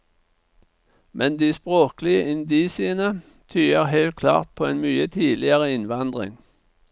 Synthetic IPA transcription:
mʔɛnd̪iːspʁoːklɪəʔɪnd̪iːsɪənə | t̪ʰyːəʁheɪlt̪̚kʰlɑ̰ːʁt̪̚pʰoːeːnmyːət̪ʰiːlɪəʁəɪnʋɑnd̪ʁɪ̰ŋ

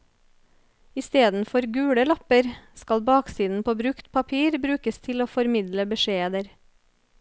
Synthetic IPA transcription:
ɪst̪eːd̪n̩fɔɾɡʉːɽəlɑpəɾskɑlbɑːksiːd̪n̩pʰoːbɾʉkt̪pʰɑpʰiːɾbɾʉːkəst̪ʰɪloːfɔɾmɪd̪ləbəʃeːd̪əɾ

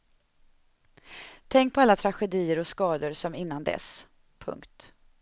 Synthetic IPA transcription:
t̪ʰɛŋk̚pʰɔalːat̪ʰɾaɧɛd̪iːəɾɔskɑːd̪əɾsɔmɪnːand̪ɛ̰s | pʰɵ̰ŋkt̪

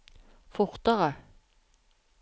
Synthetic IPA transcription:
fʊʁt̪əʁə

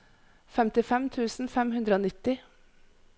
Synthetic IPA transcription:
fɛmt̪ɪfɛmt̪ʰʉːsn̩fɛmhʉnd̪ɾəoːnɪt̪ːɪ

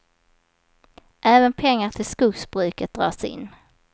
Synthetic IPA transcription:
ʔæːvənpʰɛŋːaʈ̪ʰɪlskuɡsbɾʉ̟ːkət̪̚d̪ɾɑ̰ːsɪ̰nː

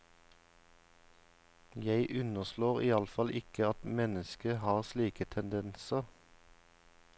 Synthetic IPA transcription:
jæɪʔʉnəʁsloːʁiːɑlfɑlʔɪkəɑt̪mɛnəskəhɑːʁsliːkət̪ʰɛnd̪ɛnsəʁ

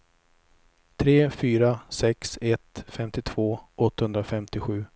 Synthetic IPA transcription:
t̪ʰɾeːfyːɾasɛksɛt̪fɛmt̪ɪt̪ʰv̥oːɔt̪ːahɵnd̪ɾafɛmt̪ɪɧʉ̟ː

